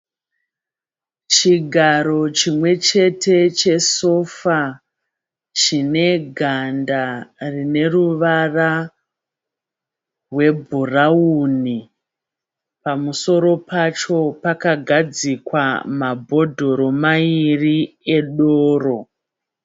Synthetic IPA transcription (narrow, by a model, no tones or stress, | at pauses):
t͡ʃiɡʱaɾo̞t͡ʃimwe̞t͡ʃe̞tʰe̞t͡ʃe̞so̞fa | t͡ʃine̞ɡʱandarine̞ruʋara | rwe̞bʱurauni | pamuso̞ɾo̞pat͡ʃo̞pakaɡʱad͡zikwa̰mabʱo̞dʱo̞ɾo̞mairieɗoːro̞